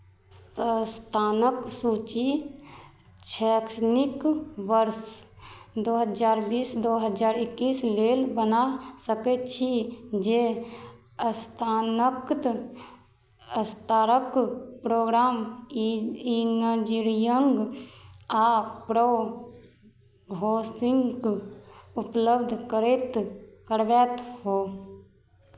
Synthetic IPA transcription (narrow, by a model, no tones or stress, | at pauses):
əst̪ʰaːnəksuːt͡ʃi | t͡ʃʰɛksnikʋəɾs | d̪oːɦəd͡ʒaːɾbiːsd̪oɦəd͡ʒaːɾɪkːiːsleːlbənasəket͡ʃʰid͡ʒe | əst̪ʰaːnəkt̪ | əst̪aːɾəkpɾoːɡɾaːm | inəd͡ʒiɾijəŋɡ | aːpɾo | bʱoːsɪ̃ŋɡk | ʊpləbd̪ʱkəɾet̪kəɾʋɛːt̪ɦoː